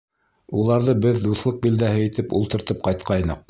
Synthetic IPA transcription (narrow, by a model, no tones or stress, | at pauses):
ulˠɑɾðɤbɘðd̪uθlˠɤq̚bild̪æhɘit̪ɘpṵlˠt̪ɤ̆ɾt̪ɤp̚qɑjt̪qɑjnɤq̚